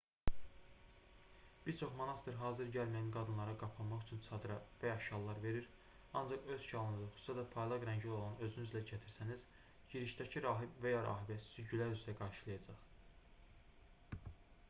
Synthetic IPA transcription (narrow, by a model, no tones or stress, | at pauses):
b̥iɾt͡ʃʰo̞χmo̞nɑst̪ɯɾɦɑːzɯɾɟælmæjænɡɑd̪ɯnlˠɑɾɑɡɑpʰɑmɑχyt͡ʃʰynt͡ʃʰɑd̪ɾɑvæjɑʃɑlˠːɑɾve̞ɾiɾ | ɑnd͡ʒɑχø̞z̥ʃʰɑlˠɯnɯzɯχu̥susæd̪æpʰɑjlˠɑɡɾæɲɟilo̞lˠɑnø̞zynyzlæɟæt̪ʰiɾsæniz̥ | ɟiɾiʃd̪æcʰiɾɑːɦibvæjɑɾɑ̰ːɦibæt̪syɟylæɾyzyɾæɡɑɾʃɯlˠɯjɑd͡ʒɑχ